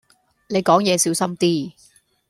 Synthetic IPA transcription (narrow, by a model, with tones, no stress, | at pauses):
ne˨˧jkɔː˨˥ŋjɛː˨˧siː˨˥wsɐ˥mt̪iː˥